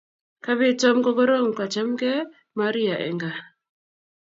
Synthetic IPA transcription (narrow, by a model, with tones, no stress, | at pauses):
ka˦βɪ˦tɔ˦mɡɔ˦ɡɔ˦ɾo˦ŋ˨ka˨t͡ʃa˦mɡɛ˦ | ma˦ɾi˦a˨ʔɛ̰˨ŋɡa˨